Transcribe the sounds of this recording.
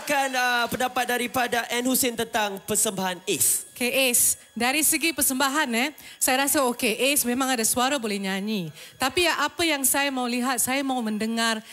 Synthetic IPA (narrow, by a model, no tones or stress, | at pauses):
akanəpəndapat̪̚daɾipadaʔɛnhusɪnt̪ənt̪aŋpəsəmbaɦanesokeʔes | daɾisəɡipərsəmbaɦanɛsajaɾasaokeʔesmẽmãŋadasuaɾabolɛhɲaɲit̪apiʔapajaŋsajamauliɦat̪̚sajamaumə̃ndəŋar